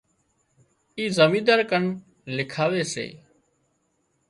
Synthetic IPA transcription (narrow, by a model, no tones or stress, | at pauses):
iːzəmĩːd̪əɾkəɳ | lɪkʰaːʋeːsḛː